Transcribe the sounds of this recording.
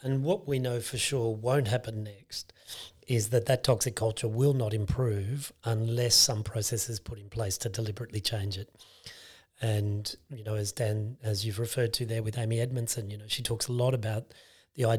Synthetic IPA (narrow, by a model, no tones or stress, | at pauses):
ɨ̃nwʌʔ̚winoʊfə˞ʃʊɹwõʊ̃ntʔ̚ɦæpɨ̃nːɛkstɪzðɨt̪̚ðɨtʰɑksɨkʰʌlˠt͡ʃə˞wɪlˠnəɾɨ̃mpʰɹ̥ʉvə̃nlɛsʌ̃mpʰɹ̥oʊsɛsɨz̥pʰʊɾɨ̃npʰl̥eɪstʰɨdəlɪbəɹɨtˡlit͡ʃʰẽɪ̃nd͡ʒɨt̚ | ɨ̃njɨnoʊɨzdæ̃nɨzjɨvɹɨfɜ˞d̚tʰɨðə˞wɨðẽɪ̃miɛd̚mɨ̃nsɨ̃njɨnoʊʃitʰɔksəlɔɾəbaʊt̪̚ | ðiaɪ